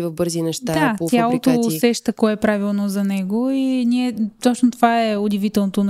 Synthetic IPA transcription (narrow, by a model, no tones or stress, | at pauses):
vɐvbɤɾzinɛʃt̪ad̪atojalˠot̪oːsɛʃt̪əkɔɛpɾavilˠnozɐnɛɡoinʲiɛt̪ɔt͡ʃnot̪ovaɛʊd̪ʲivit̪ɛlˠnot̪on